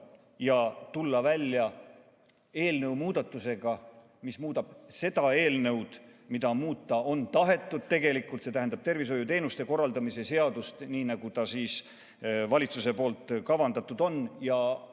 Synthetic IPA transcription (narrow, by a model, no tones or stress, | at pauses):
jɑt̪ulːɑvælʲːjɑ | e̞ːlnewmuːd̪̥ɑt̪ːˑuse̞ɡ̥ɑ | mismuːd̪̥ɑb̥se̞d̪̥ɑe̞ːlnɤ̞wd̪̥mid̪ɑmuːt̪ːˑɑo̞nt̪ɑɦe̞t̪ːˑud̪̥̚t̪e̞ɡe̞likult̪set̪æɦænd̪ɑb̥̚t̪e̞rvis̬o̞jut̪e̞ːnust̪e̞ko̞rːɑld̪ɑmise̞se̞ɑd̪ust̪niːnɑɡ̥ut̪ɑsiːs | vɑlʲit̪suse̞po̞ːlt̪ˑkɑvɑnd̪ɑt̪ːˑud̪o̞njɑ